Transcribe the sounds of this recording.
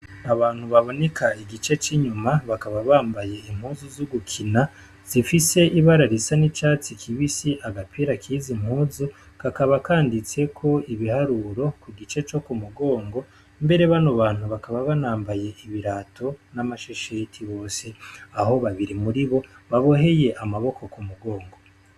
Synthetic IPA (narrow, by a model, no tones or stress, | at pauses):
aβaːn̥huβaβo̞ne̞kaiɡit͡ʃe̞t͡ʃiɲumaβakaβaβaːmbaje̞im̥huːzuzuɡukʰina | z̥ifise̞ʔiβaɾaɾisanit͡ʃaːt͡sikʰiβisiʔaɡapʰiɾakʰiːzim̥huːzu | kakaβakaːndit͡se̞kʰo̞iβihaɾuɾo̞kuɡit͡ʃe̞t͡ʃo̞kumuɡo̞ːŋɡo̞ | mbe̞ɾe̞βanoβaːn̥huβakaβaβanaːmbaje̞ʔiβiɾaːtʰo̞namaʃeʃetʰiβo̞ːse̞aho̞βaβiɾimuɾiβo̞βaβo̞ɦe̞je̞ʔamaβo̞kʰo̞kumuɡo̞ːŋɡo̞